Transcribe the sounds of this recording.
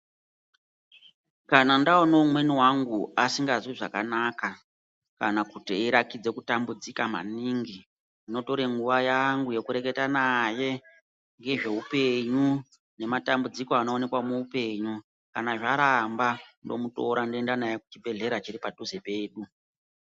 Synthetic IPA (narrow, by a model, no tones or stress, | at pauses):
kanandaonoumwe̞niwaŋɡuasiŋɡazwiʐa̰kanaka | kanakutiiɾakid͡ze̞kutambud͡zikama̰niŋɡi | ino̞to̞ɾe̞ŋɡuʋajaŋɡuje̞kuɾe̞ke̞tanaje̞ | ŋɡe̞ʐe̞upe̞ɲu | ne̞matambud͡zikoanoone̞kwamuːpe̞ɲu | kanaʐaɾambando̞̰muto̞ɾandendanajeku̥t͡ʃibʱe̞ɮe̞ɾat͡ʃiɾipaduze̞pe̞ːɗu